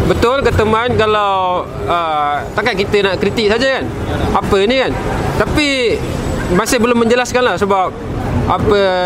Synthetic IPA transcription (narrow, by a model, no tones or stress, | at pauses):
bət̪ʊlkət̪əmankalaw | ət̪akaʔ̚kit̪ənaʔkɾit̪ɪk̚sad͡ʒakan | apənikant̪api | masɪhbəlʊmːə̃ɲd͡ʒəlaskanlahsəbap̚ | apə